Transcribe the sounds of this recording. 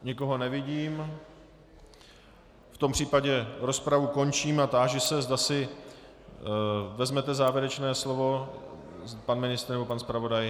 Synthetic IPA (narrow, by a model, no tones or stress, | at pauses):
ɲɪko̞ɦo̞nɛvɪɟiːm | ft̪o̞mpr̝̥iːpaɟɛɾo̞spɾavuko̞nt͡ʃiːmat̪aːʒɪsɛzdasɪ | vɛzmɛt̪ɛzaːvjɛɾɛt͡ʃnɛːslovo̞ | panmɪnɪst̪ɾnɛbo̞panspɾavo̞daj